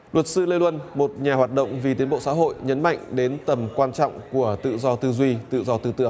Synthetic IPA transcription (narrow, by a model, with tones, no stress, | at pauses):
lwə˨˩t̚sɨ˧lə˧jlwə˧nmo˨˩t̚ɲaː˨˩ɦwaː˨˩t̚ɗə̰˧˨wŋ͡mvi˨˩t̪̬i˨˦ənɓo̰˧˨sa̰ː˧˥ɦo̰˧˨jɲə˨˦˥nma̰˧˨jŋ̟ɗe˨˦nt̪ə˨˩mkwaː˧nt͡ɕɔ̰˧˨wŋ͡mku˧˩ət̪ɨ̰˧˨zɔ˧t̪ɨ˧zwi˧t̪ɨ̰˧˨zɔ˧t̪ɨ˧t̪ɨ̰˧əŋ